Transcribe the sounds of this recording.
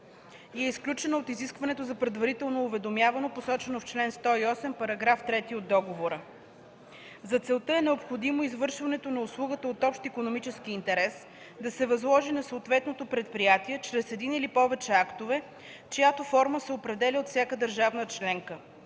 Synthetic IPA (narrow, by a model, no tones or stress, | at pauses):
ɛisklʲut͡ʃɛnoot̪iziskvɐnɛt̪ozɐpɾɛd̪vɐɾit̪ɛlˠnoːvɛd̪omjavɐnoposɔt͡ʃɛnoft͡ʃlɛnst̪ɔiɔsɛmpɐɾɐɡɾaft̪ɾɛt̪iod̪ːɔɡovoɾə | zɐt̪sɛlˠt̪əɛnɛopxod̪imoizvɤɾʃvɐnɛt̪onɐʊslˠuɡət̪əot̪ɔpʃt̪ikonomit͡ʃɛskiːnt̪ɛɾɛs | d̪ɐsɛvɐzlˠɔʒinɐsoːt̪vɛt̪not̪opɾɛt̪̚pɾijat̪iɛt͡ʃɾɛsɛd̪inilipɔvɛt͡ʃɛakt̪ovɛ | t͡ʃojat̪ofɔɾməsɛopɾɛd̪ɛlʲiot̪fsʲjakəd̪əɾʒavnət͡ʃlɛŋkə